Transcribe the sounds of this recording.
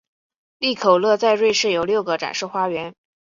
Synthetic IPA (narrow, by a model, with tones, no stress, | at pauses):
li˥˩kʰo˨˩ʊlɤ˥˧t͡sa˥˧ɪɻwe˥˧ɪʂɻ̩˥˩jo˨˩ʊljʊɡə˩ʈ͡ʂa̰˨˩nʂɤ˥˩xwa˥ɥɛ˧˥n